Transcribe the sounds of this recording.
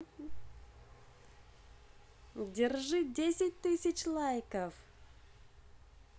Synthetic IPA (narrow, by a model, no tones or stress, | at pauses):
dʲɪrʐɨdʲesʲɪt̚ʲt̪ɨsʲɪt͡ɕlˠajkəf